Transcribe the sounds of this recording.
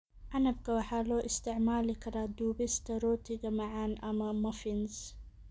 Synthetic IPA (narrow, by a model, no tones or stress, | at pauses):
ʔanab̚kawaħaloːʔɪst̪ɪʕmaːlikaɾad̪uːbist̪aɾoːt̪iɡamaʕaːnʔamamafinz